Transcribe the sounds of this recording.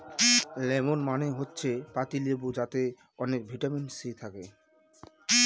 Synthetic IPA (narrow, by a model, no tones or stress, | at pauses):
lɛmonmaneɦotːɕʰepat̪ilebud͡ʑat̪e | ɔnek̚bʱiʈaminsit̪ʰake